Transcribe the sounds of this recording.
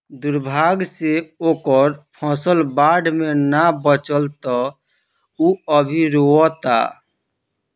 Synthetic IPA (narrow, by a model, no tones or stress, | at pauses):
d̪uɾbʱaɡseoːkəɾpʰɔ̃səlbaɖmenabət͡ʃəlt̪ɔ | uəbʱiɾoɔt̪a̰